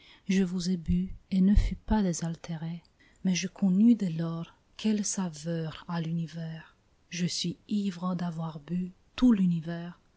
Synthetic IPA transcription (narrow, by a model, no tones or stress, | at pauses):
ʒəvuzebyenəfypad̪ezalt̪ʰeʁe | mɛʒəkʰɔ̃nyd̪ɛlɔʁ | kʰʲɛlsavœʁalynivɛːʁ | ʒəsɥiivʁɑ̃d̪avwaʁby | t̪ulynivɛːʁ